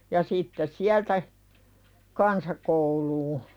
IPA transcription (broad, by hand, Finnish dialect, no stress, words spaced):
jɑ sitːes siæltæ kɑnsɑkouluː